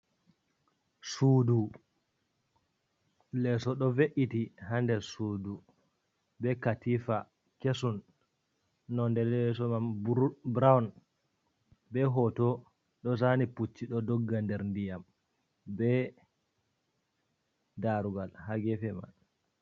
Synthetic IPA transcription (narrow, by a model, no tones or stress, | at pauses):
suːdu | lɛsɔɗɔveʔitihandɛsudu | bɛkatifa | kesunː | ɔndɛlɛsɔmambɾawn | bɛɦɔtɔ | ɗɔs̬aniput͡ʃːiɗɔdɔɡːandɛɾndijam | bɛ | daɾuɡalhaɡɛfɛma̰n